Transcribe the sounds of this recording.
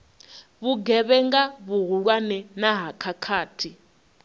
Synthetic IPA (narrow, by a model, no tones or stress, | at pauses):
βuɡɛβɛŋɡaβuɦuɺwanɛnaɦakʰakʰaːtʰi